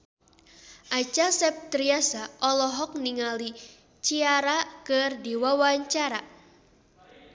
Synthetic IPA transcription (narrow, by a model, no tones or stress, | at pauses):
ʔat͡ʃasɛp̚t̪ɾiasaʔɔlɔɦɔk̚niŋali | t͡ʃiaɾakɨrdiwawaɲt͡ʃaɾa